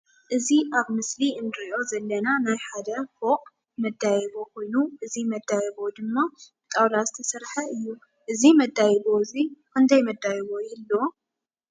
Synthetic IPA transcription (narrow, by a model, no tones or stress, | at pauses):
ʔɨziʔaβmɨsliɨnd̪ɨɾiʔo̞zɐlːɐnanajħad̪ɐfokʼ | mɐd̪ːajɛβo̞kʰo̞jnuʔɨzimɐd̪ːajɛβo̞d̪ɨmːa | t̪ʼawlazɨt̪ʰɐsɐɾħɐɨjːu | ʔɨzimɐd̪ːajɛβo̞zikʰɨnt̪ʰɐjmɐd̪ːajɛβo̞jɪlːo̞